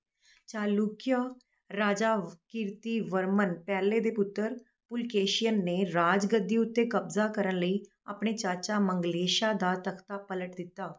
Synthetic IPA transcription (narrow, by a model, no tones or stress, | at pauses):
t͡ʃaːluːkijaː | ɾaːd͡ʒaːkɪɾt̪iːʋəɾmənpɛːleːd̪eːpʊt̪ːəɾ | pʊlkeːʃijənːeːɾaːd͡ʒɡəd̪ːiːʊt̪ːeːkəbzaːkəɾənləiː | a̰ːpɳeːt͡ʃaːt͡ʃaːməŋɡleːʃaːd̪aːt̪əkʰt̪aːpələʈd̪ɪt̪ːaː